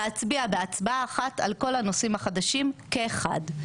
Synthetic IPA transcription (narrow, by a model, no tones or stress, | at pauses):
at͡sbiabeat͡sbaaːχata̰lko̞lano̞simhaχad̪aʃimkeːχa̰d